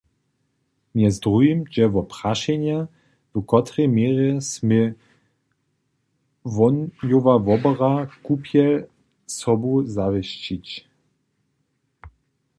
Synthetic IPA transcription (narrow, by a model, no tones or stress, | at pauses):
mjɛzdʁujimʒɛvɔpʁaʃɛɲja | vəkɔt̪ɾɛmjɛːʁɛsmɪ | vɔjovavɔbəʁakupʰjɛl | sɔbuzavɪɕt͡ɕit͡ɕ